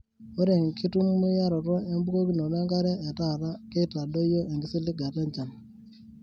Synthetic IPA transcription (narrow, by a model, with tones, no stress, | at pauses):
o˦ɾe˨ŋki˦tu˦mːu˦ja˦ɾo˨tɔ˦e˦mbu˦ko˦ki˦no˨ne˦ŋɡa˦ɾe˦ʔe˨ta˦˨ɾa˦ke˦ta˨do˦jo˦ʔe˨ŋɡi˦si˦li˦ɡa˨te˦ɲt͡ʃa˨n